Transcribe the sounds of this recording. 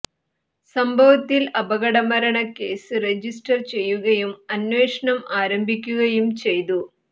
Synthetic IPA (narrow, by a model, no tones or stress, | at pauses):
sɐmbʱɐʋɐt̪ːilɐbɐɣɐɽɐmɐɾɐɳɐkːe̞ːsɨred͡ʑisʈɐrt͡ɕe̞jːuɣɐjumɐnʋe̞ːʂɐɳɐmaːɾɐmbʱikʲːuɣɐjumt͡ɕe̞jt̪u